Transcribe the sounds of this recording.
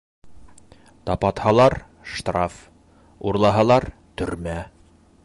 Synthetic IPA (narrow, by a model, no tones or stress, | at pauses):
t̪ɑpɑt̪hɑlˠɑɾ | ʃt̪raf | uɾlˠɑɦɑlˠɑɾ | t̪ɵ̆ɾmæ